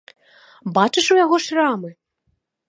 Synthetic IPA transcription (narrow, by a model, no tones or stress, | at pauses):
bat͡ʂɨʂujaɣɔʂramɨ